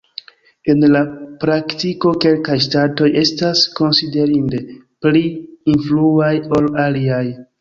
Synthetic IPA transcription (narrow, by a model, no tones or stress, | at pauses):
e̞nlapɾaktiko̞ke̞lkajstato̞je̞stasko̞nside̞ɾinde̞pliinfluajo̞laliaj